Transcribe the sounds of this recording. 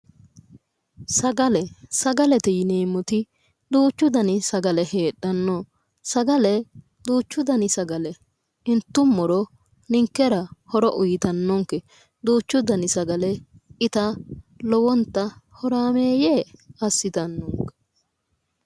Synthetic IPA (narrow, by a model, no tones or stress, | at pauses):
sɐɡɐlɛsɐɡɐlɛt̪ɛjɪneːmɔt̪ɪ | d̪uːt͡ʃːʊd̪ɐnɪsɐɡɐlɛheːɗːɐnːoː | sɐɡɐlɛ | d̪uːt͡ʃːʊd̪ɐnɪsɐɡɐlɛ | ɪnt̪ːʊmːɔɾɔ | nɪŋkːɛɾɐhɔɾɔʔʊjɪt̪ɐnːɔŋkːɛ | d̪uːt͡ʃːʊd̪ɐnɪsɐɡɐlɛɪt̪ɐlɔwɔnt̪ːɐhɔɾaːmeːjeːɐsːɪt̪ɐnːɔŋkːɛ̥